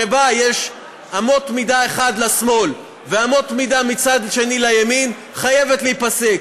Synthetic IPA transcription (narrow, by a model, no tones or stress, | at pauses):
ebajeʃ | amo̞tmidaeχad̪lasmo̞l | veamo̞tmidamit͡sad̪ʃe̞nilajamin | χaje̞vet̪leipase̞k